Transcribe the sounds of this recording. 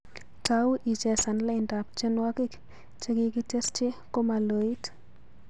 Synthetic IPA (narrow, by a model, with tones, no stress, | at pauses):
tau˦ʔi˨t͡ʃɛ˨sa˨nla˦ɪnda˨p̚t͡ʃe˦nwa˦kɪ˦k | t͡ʃe˦ki˦ki˦te˦st͡ʃɪ˦ko˦ma˨lo˨i˦t